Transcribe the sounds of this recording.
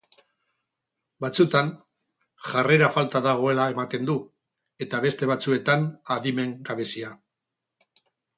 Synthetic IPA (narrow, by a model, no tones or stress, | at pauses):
bat͡sut̪an | ʝare̞ɾafalt̪aðaɣ̞o̞e̞lae̞mat̪e̞nd̪u | e̞t̪aβe̞st̪e̞βat͡sue̞t̪anaðime̞ŋɡaβe̞sia